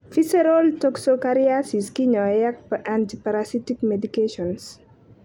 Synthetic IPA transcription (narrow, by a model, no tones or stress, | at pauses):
fisɛɾoltɔksokaɾiasiskiɲɔjak̚pəʔantipaɾasitikmedikeʃɔns